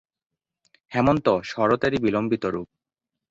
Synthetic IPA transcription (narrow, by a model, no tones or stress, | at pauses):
hɛmont̪ɔʃɔɾot̪eɾibilombit̪oɾṵp̚